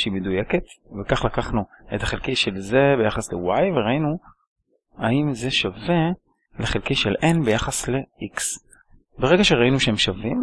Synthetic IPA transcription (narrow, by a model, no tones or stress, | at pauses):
eimedujeketvekaχlakaχnuet̪aχelkejʃelzebe̞jaχaslḛwajveʁainu | aimze̞ʃave̞ | leχelkejʃelʔenbe̞jaχasle̞ʔiks | beʁe̞ɡaʃeʁainuʃehemʃavim